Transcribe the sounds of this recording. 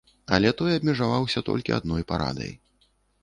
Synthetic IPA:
ɐlʲɛt̪ɔjɐbmʲɛʐavawsʲɐt̪ɔ̰lʲkʲia̰d̪nɔjpaɾa̰d̪ɐ̰j

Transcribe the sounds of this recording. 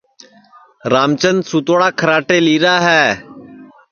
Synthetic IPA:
ɾaːmt͡ʃənsuːt̪oːɽaːkʰəɾaːʈeːliːɾaːɦɛː

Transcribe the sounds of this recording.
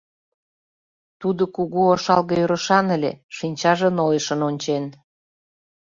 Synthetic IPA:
t̪ud̪okuɣuoʃɑlɣɤøɾə̆ʃɑnəlʲḛʃinʲt͡ɕɑʒənojəʃə̆nonʲt͡ɕen

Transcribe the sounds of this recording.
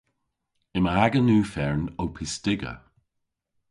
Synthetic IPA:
ɪməaɡənuːfɛɹnowpʰɪstɪɡə̰

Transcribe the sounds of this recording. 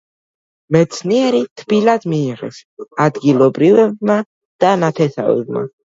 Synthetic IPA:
mɛt̪sʰniɛɾit̪ʰb̥ilad̪miːʁɛ̰sad̪ɡilˠɔbɾivɛb̚ma | d̪̥anat̪ʰɛsa̰vɛ̰bma̰

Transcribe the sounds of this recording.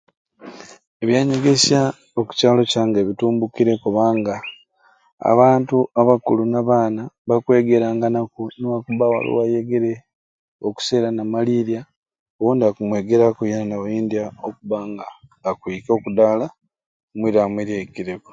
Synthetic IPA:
eβjaːɲeɡesja | oku̥caːlo̞caːŋɡeβituːmbukiɾe̞kuβaːŋɡa | a̰βaːntuaβakulunaβaːnaβakwe̞ːɡe̞ɾaːŋɡanakuniwakuβawa̰lo̰wajeɡe̞ɾe̞ | oku̥se̞ːɾanamaliɾja | owoːndiakumwe̞ːɡe̞ɾakujenanawajiːndiaokuβaːŋɡaːkwiːko̞ːkudaːla | mwiɾamwiɾjekiɾeku̥

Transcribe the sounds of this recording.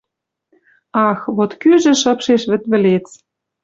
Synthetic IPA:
ɑxβot̪kyʒɘ̆ʃɤ̆pʃeʃβɘ̆t̪βɘ̆let͡s

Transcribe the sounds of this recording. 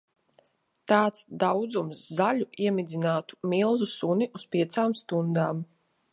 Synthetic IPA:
t̪aːt̪sd̪awd̪zumsːalʲuiɛmʲid̪zʲinaːt̪u̥mʲilˠzusuniʔuspʲiɛt̪saːmst̪und̪aːm

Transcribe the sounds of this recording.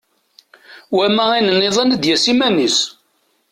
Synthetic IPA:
wæmæinənːeðˤɑnəd̪jæsimænis

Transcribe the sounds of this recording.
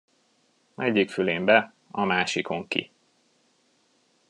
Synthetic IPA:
ɛɟːikfyleːmbɛ | ɒmaːʃiko̞ŋkḭ

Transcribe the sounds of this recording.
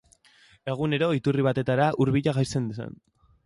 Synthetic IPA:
e̞ɣ̞une̞ɾo̞it̪uriβ̞at̪e̞t̪aɾaʔuɾβiʎaɣajse̞nd̪usa̰n

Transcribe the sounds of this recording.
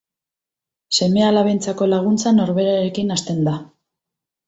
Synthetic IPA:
se̞me̞alaβent͡sako̞laɣ̞unt͡sano̞ɾβe̞ɾaɾe̞kinast̪e̞nd̪a

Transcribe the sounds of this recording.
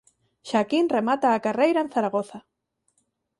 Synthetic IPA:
ʃakinremat̪aːkarejɾaẽn̟θaɾaɣ̞oθa

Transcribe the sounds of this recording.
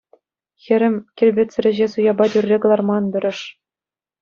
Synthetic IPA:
xʲɘ̆ɾʲɘ̆mʲkʲĕlʲbʲĕtʲt͡sɘ̆ɾʲɘ̆ʑesujɑbɑt̪ʲyrʲːekɤ̆lˠɑrmɑnbʲɘ̆ɾʲɘ̆ʂ

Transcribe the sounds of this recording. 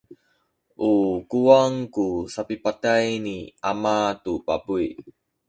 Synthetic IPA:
ʔukuwaŋkusapipatajniʔamatupabui

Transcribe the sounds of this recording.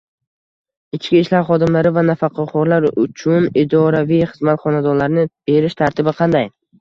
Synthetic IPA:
ɪt͡ʃkʲiɪʃlaɾχɒd̪ɪmlaɾɪvanafɑqʰɑqʰɒɾlaɾʊt͡ʃʰʊnɪd̪ɒɾavijχɨzmat̪χɒnad̪ɒɾlaɾnɪb̥e̞ɾɪʃt̪ʰaɾt̪ʰɪbɪqʰɑnd̪aj

